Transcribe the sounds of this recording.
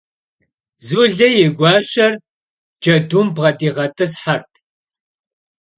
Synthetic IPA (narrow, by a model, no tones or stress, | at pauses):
zuɮɐjɪɡʷɑːʃɐr | d͡ʒɐdumbʁɐdʼiːʁɐtʰʼɨsħartʰ